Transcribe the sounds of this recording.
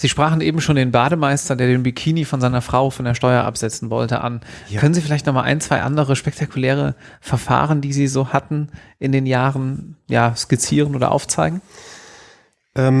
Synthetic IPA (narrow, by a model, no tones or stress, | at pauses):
z̥iːʃpʁ̥aːχn̩ʔeːbm̩ʃoːndeːnbaːdəmaɪstɐdeːɐdeːnbykʰiːnifɔnzaɪnɐfʁ̥aʊfɔndeːɐʃtɔʏɐʔa̰pz̥ɛt͡sn̩vɔ̰ltə̰ʔa̰nkʰœnənziːfɪlaɪçtnɔχmaːlʔa̰ɪnt͡sv̥aɪʔa̰ndəʁ̞əʃpɛk̚tʰakʰulɛːʁ̞əfɛɐfa̰ːʁəndiːziːzoːhatn̩ʔɪndeːnjaːʁənjaːskit͡siːʁ̞ənʔoːdɐ̰ʔa̰ʊft͡saɪɡŋ̩ | ʔɛm